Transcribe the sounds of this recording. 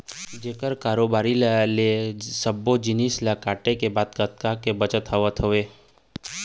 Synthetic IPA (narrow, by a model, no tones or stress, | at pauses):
d͡ʒeːkəɾkaːɾobaːɾilalesəbːod͡ʒɪnislakaːʈekebaːd̪kət̪kakebət͡ʃət̪ɦəʋət̪ɦoʋeː